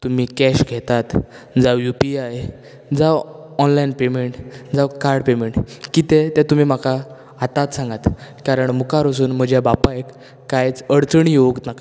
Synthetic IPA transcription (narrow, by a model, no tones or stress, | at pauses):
t̪um̤iːkɛɕɡʱɛt̪at̪ | d͡zawjupiaje | d͡zaʋɔnlajnpemeɳʈd͡zaʋkaɾɖpemeɳʈkit̪et̪ɛt̪um̤iːm̤aka | at̪at̪sãŋɡat̪kaɾəɳmukaɾəs̬uːnm̤əd͡ʑjabapaekː | ajt͡səɽt͡səɳjeuk̪naka